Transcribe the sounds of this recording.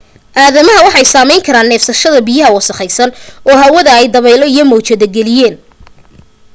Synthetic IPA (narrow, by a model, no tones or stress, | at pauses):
ʔaːðɐmɐɦɐwɑħɑjsaːmɛjŋkʰɐɾaːnːɛːfsɐʃɐðɐbijɐɦɐwɑsɐχɛjsɐnɔːɦɐwɐðɐɛjd̪ɐβɛjlɔijɞmɔːt͡ʃɛðɐɡɛlɪjɛːn